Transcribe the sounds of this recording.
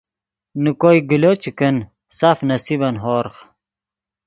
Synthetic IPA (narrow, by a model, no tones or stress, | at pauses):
nukojɡilot͡ɕikən | safnɐsibɐnɦoːɾχ